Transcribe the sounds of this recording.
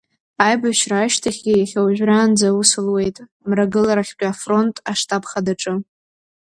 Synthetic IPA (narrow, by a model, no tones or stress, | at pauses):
ajbaʃraːʃtʰaχʲijaχʲawʒᶣraːnd͡zausɨlwe̞jtʼ | mraɡɨlaɾaχʲqʲʷʼafro̞ntʼaʂtʰʼapʰχadaʈ͡ʂʼɨ